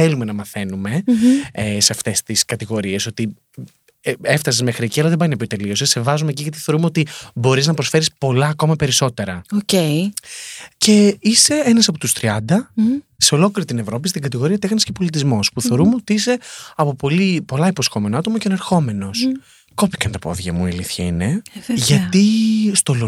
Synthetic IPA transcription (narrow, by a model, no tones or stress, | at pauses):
θelume̞nɐmɐθe̞nume̞ | seɐft̪e̞st̪iskɐt̪iɣo̞ɾie̞so̞t̪i | eft̪ɐsizmexɾieciɐlɐðebɐjnɐpjot̪e̞lio̞sese̞vɐzumeciʝɐt̪i̥θeoɾumeo̞t̪ibo̞ɾiznɐpɾo̞sfe̞ɾispo̞lɐːko̞mɐpe̞ɾiso̞t̪e̞ɾɐocei | ce̞ise̞enɐsɐpo̞t̪ust̪ɾiɐnd̪ɐseo̞lo̞kliɾit̪ine̞vɾo̞pist̪iŋɡɐt̪iɣo̞ɾiɐt̪exɐnisce̞po̞lit̪izmo̞spuθe̞ɾumeot̪iise̞ɐpo̞po̞lipo̞lɐipo̞sxo̞me̞noɐt̪o̞mɐceneɾxo̞me̞no̞s | ko̞pi̥kɐnt̪ɐpo̞̰ðʝɐmuiɐliθçɐḭneʝɐt̪ist̪ol